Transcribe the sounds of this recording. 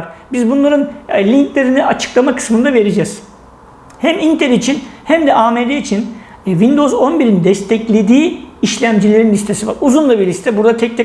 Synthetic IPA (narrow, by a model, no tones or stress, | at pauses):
ɾbizbunlˠaɾɯnlʲiŋklʲeɾiniʔat͡ʃʰɯ̥klˠamakʰɯ̥smɯnd̪ave̞ɾed͡ʒɛz̥ | hæmint̪ʰelʲit͡ʃʰinhæmd̪ɛʔaːmed̪eit͡ʃʰin | vind̪o̞zo̞nbiɾinid̪ɛst̪ʰɛclʲe̞d̪iːiʃlʲæmd͡ʒilʲe̞ɾinʲist̪ʰe̞siva̰ɾuzunlˠabiɾlʲist̪ʰɛbuɾd̪at̪ʰɛc̚t̪ʰɛ